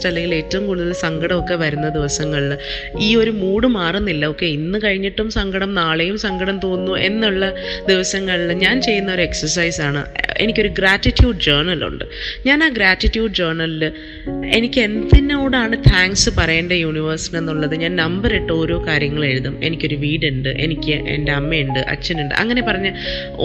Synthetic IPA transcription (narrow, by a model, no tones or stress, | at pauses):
ʈːɐlːeŋɡile̞ːtːɐumkuːɽuðɐlsɐŋɡɐɽɐmo̞kːe̞ʋɐɾunːɐd̪iʋɐsɐŋːɐɭ | iːo̞ɾumuːɽɨmaːrunːilːɐo̞kːe̞inːɨkɐɻiɲːiʈːumsɐŋɡɐɽɐmnaːɭejumsɐŋɡɐɽɐmt̪o̞ːnːuʔe̞nːuɭːɐd̪iʋɐsɐŋːɐɭɲaːnt͡ɕe̞jːunːɐoɾue̞ksɐrs̬ɐjsaːɳɨ̰e̞nikʲːo̞ɾuɡɾaːtːitːjuːɖd͡ʑeːrɳɐlṵɳɖɨ̰ɲaːnaːɡɾaːtːitːjuːɖd͡ʑeːrɳɐllɨ | e̞nikʲːɨe̞nd̪inoːɽaːɳɨt̪ʰaːŋksɨpɐrɐjeːnɖejuːɳiʋɐrsine̞nːuɭːɐðɨɲaːnnɐmbɐɾeʈːo̞ːɾo̞ːkaːɾjɐŋːɐɭaːjiɾuðume̞̰nikʲːo̞ɾuʋiːɽɨɳɖɨʔe̞̰nikʲːɨʔḛnde̞ɐmːejuɳɖɨʔɐ̰t͡ɕːɐnuɳɖɨ̰ʔɐ̰ŋːɐne̞pɐrɐɲːɐ